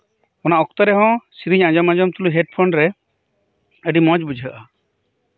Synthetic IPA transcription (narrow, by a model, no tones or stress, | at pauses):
ɔnaɔkt̪ɔɾɛɦɔ̃siɾiɲãd͡ʒɔmãd͡ʒɔmt̪ʰuluɦeɖ̚pʰɔnɖɾɛ | eɖimɔd͡ʒbud͡ʒʱiəʔa